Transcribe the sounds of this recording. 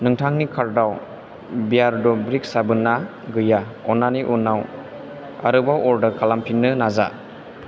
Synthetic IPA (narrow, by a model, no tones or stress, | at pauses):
nɯŋtʰaŋnikʰaɾdaw | bijaɾdɔbɾik̚sabɯnːa | ɡɯjaɔnːaniʔunːaw | a̰ɾɯbawɔɾdɯɾkʰalampʰinːɯnaza̰